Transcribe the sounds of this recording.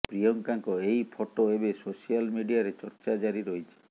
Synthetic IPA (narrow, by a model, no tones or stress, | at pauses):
pɾijɔŋkaŋkɔejpʰoʈoebesosialmiɖiaɾet͡ʃɔɾt͡ʃad͡ʒaɾiɾoɦit͡ʃʰi̥